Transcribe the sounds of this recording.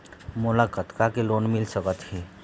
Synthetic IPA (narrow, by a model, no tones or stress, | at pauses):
molakət̪kakelonmilsəkət̪ɦe